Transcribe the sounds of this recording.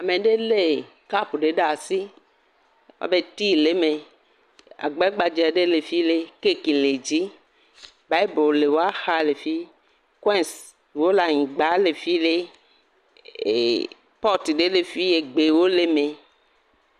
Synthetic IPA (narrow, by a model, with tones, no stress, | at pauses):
a˨mẽ˨ɖe˦le˦ | ka˦pu˨ɖe˨ɖa˨si˦ | wa̰˦be˦t̪i˦le˦mẽ˨ | a̰˨ɡ͡bɛ˦ɡ͡ba˨d͡ʒɛ˨ɖe˦le˨fi˦le˦ke˦ki˨le˨d͡ʒi˦ | ba˦jbo˨le˨wo˦a˦xa˦le˨fi˦ | kwɛ˦ns | wo˦la˨ɲĩ˨ɡ͡ba˦le˨fi˦le˦˨ | pɔ˦t̪i˨ɖe˦le˨fi˦je˨ɡ͡be˨wo˦le˦mẽ˨